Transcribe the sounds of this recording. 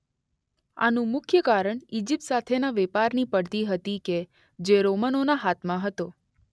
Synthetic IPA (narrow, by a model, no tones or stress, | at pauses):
a̰nũmʊkʰjəkaɾəɳid͡ʒip̚t̪sat̪ʰenaʋepaɾnipəɽt̪iɦət̪ike | d͡ʒeɾomənonaɦat̪ʰmãɦət̪o